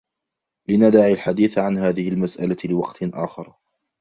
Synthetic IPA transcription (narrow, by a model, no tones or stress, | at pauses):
lɪnad̪aʕilħad̪iːθʕanhaːðɪhɪlmasʔalalɪwɑ̰qt̪ʔaːxɑɾˤ